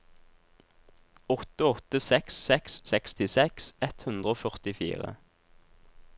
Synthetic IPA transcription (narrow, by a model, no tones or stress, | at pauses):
ɔt̪əɔt̪əsɛksːɛksːɛkst̪ɪsɛksɛt̪hʉnd̪ʁəoːfœʁt̪ɪfḭːʁə̰